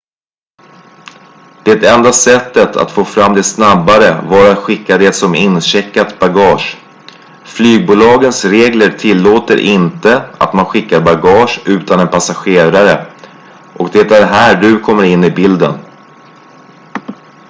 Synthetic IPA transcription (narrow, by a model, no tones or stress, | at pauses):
d̪̥ɛt̪ɛnd̪asɛt̪ːət̪ʰa̰t̪foːfɾamːd̪ɛsnabːaɾəvɑɾat̪ɧɪkːad̪ɛt̪sɔmɪnɕɛkːat̪baɡɑːʂ | flyːɡ̚buːlɑːɡənsɾeːɡləɾʈʰɪlːoːt̪ə̰ɾʔɪnt̪əa̰t̪manɧɪkːaɾbaɡɑːʂʉ̟ːt̪anɛnpʰasaɧeːɾaɾə | ʔɔkd̪ɛt̪æɾɦæːɖɵkʰɔmːəɾɪnːɪbɪld̪ən